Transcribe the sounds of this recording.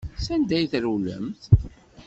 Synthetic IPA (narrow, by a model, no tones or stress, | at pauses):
sænd̪æjθɾulə̰mθ